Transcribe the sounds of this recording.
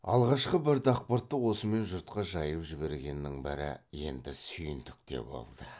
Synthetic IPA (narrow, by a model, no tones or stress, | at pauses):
ɑ̰lˠʁɑʃqəbɪɾd̪ɑq̚pəɾt̪ːəwo̞səme̞nʒʊɾt̪qɑʒɑjəpʒɪbe̞ɾɡʲe̞nːɪŋbɪɾɪ̰je̞nd̪ɪsʏjɪnd̪ʏk̚t̪e̞̰bo̞̰lˠd̪ə